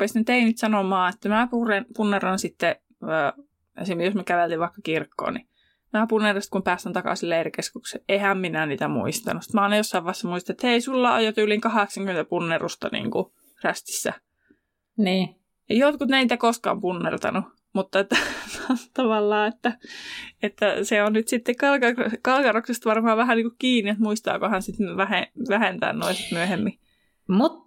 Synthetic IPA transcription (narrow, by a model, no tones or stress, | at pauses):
rupesnet̪einit̪sɑnomɑːet̪ːæmæpurenpunːerːɑnsit̪ːe | əː | ḛsimjosmekæʋelt̪iʋʋɑˑikːɑkirkːo̰ːni | mæːpunːerɑst̪̚kumpæːst̪ænt̪ɑkɑ̰silːeerikeskuksḛʔehæmminæniːt̪æmṵist̪ɑ̰nusit̪mæɑinɑjosːɑiʋɑˑesːɑmuist̪ɑet̪heisulːɑo̰jot̪yːliŋkɑheksɑŋkyment̪æpunːerust̪ɑnḭːŋku | ræst̪i̥sːæ̰ | niː | ejot̪kut̪neˑnit̪ækoskɑ̰ːmpunːert̪ɑ̰nu | mut̪ːɑet̪ːæt̪ɑʋɑlːɑːet̪ːæet̪ːæseonnyt̪sit̪ːekkɑlkɑkɑlkɑroksest̪ʋɑrmɑɑːʋʋæhænniŋkukkiːniet̪muist̪ɑ̰ːkohænsit̪ʋæheʋæhent̪æ̰ːnno̰isit̪myøhemːi | mut̪